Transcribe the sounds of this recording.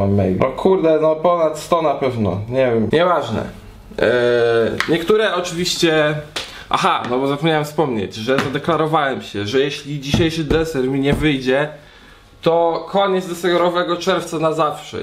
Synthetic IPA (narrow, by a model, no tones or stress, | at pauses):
amːɛ̰jʲɔkʰuɾd̪ɛnɔpɔnat̪st̪ɔnapɛvnɔ̰ɲɛvʲjɛmɲɛvaʐnɛ̰ | ɲɛkt̪uɾɛʔɔt͡ʂɘvʲiɕt͡ɕɛ | ʔa̰xanɔbɔzapɔmʲɲawɛmfspɔmɲḛd͡ʑʐɛzad̪ɛklaɾɔvawɛmɕɛʐɛjɛɕlʲid͡ʑiɕejʂɘd̪ɾɛsɛɾmʲiɲɛvɘjd͡ʑɛ | t̪ɔkɔɲɛd̪zd̪ɛsɛɡɔɾɔvɛɡɔt͡ʂɛɾft̪sanazafʂɛ̰